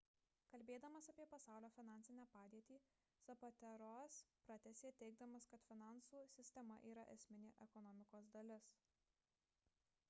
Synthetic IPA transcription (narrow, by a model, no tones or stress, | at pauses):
kɐlʲbʲeːd̪ɐmɐsɐpʲiɛpɐsɑˑʊlʲoːfʲɪnɑnʲsʲɪnʲæːpɑːd̪ʲiɛt̪ʲiː | sɐpɐt̪ʲɛɾoːspɾɐt̪ʲɛsʲeːt̪ʲɛɪɡ̚d̪ɐmɐskɐt̪fʲɪnɑˑnsuːsʲɪsʲt̪ʲɛmɐ̰ʔiːɾɐʔɛ̰sʲmʲɪnʲɪʔɛkɔnɔmʲɪkoːsd̪ɐlʲɪs